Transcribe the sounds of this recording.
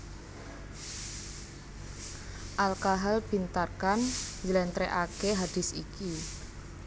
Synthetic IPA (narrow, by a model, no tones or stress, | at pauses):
ʔalkaɦalb̥i̤nt̪arkand͡ʒəlɛnt̪ɾeʔakeɦad̥ɪ̤sḭki